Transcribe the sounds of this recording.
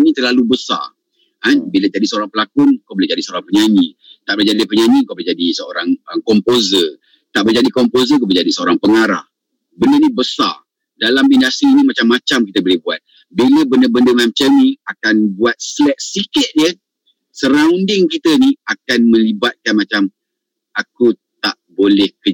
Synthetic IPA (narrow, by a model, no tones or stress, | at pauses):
nĩt̪ərlalubəsa̰r | anbilət̪adisəoɾaŋpəlakʊŋkawbolɪhd͡ʒadisəoɾaŋpəɲanĩ | t̪aʔbəd͡ʒadipəɲanĩkawbld͡ʒadisəo̰ɾaŋəkɔmpozə | t̪aʔbəd͡ʒadikɔmpozəkabəd͡ʒadisəoɾaŋpəŋaɾa̰h | bəndənĩbəsa̰r | dalaminasiːnĩmat͡ʃamːat͡ʃamkit̪əbolɛhbua̰t̪̚ | biləbənəbəndəmamt͡ʃənĩakanbuat̪̚slɛʔ̚sikɪt̪̚jə | səɾaŋundɪŋkit̪əniakanmə̃libat̪̚kanmat͡ʃam | akut̪aʔbolɛhkə